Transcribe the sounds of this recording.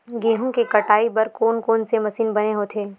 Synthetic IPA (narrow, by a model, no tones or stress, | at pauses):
ɡeːɦõkekɐʈaːibɐɾkoːnkoːnsemɐsiːnbɐneɦoːt̪ʰeː